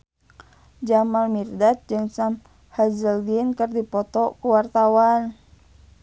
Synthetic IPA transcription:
d͡ʒamalmirdat̪̚d͡ʒɨŋsam | hazəldinkɨrdipɔt̪ɔkuwart̪awan

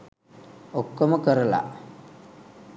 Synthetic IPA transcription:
okːɐmɐkɐɾɐla̰

